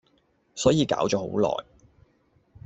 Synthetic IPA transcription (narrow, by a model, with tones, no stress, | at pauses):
sɔː˨˥jiː˨˧ka̰ː˨˥wt͡ʃɔː˧˥ho̰˨˥wlɔ̰ː˨˩j